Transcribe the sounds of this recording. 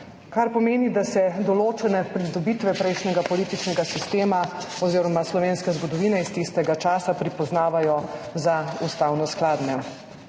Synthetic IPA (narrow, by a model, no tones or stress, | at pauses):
kaɾpɔmeːnid̪asɛd̪ɔloːt͡ʃɛnɛpɾid̪ɔbit̪ʋɛpɾɛjʃnɛɡapɔliːt̪it͡ʃnɛɡasist̪eːma | ɔziːɾɔmaslɔʋeːnskɛzɡɔd̪ɔʋiːnɛist̪ist̪ɛɡat͡ʃaːsapɾipɔznaːʋajɔzaust̪aːwnɔsklaːd̪nɛ